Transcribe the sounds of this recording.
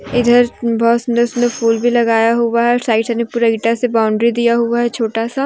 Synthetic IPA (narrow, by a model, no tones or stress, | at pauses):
ɪd̪ʱəɾbɔːt̪sʊnd̪əsʊnd̪əfuːlbʱilɐɡaːjaɦuaɦɛsaːɪʈsnepuːɾaɡiʈasebaːʊɳɖɾid̪ijaɦuaɦɛt͡ʃʰoːʈasa